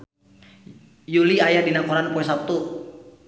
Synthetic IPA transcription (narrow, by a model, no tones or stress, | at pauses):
juliajadinakɔɾanpɔɛsap̚t̪u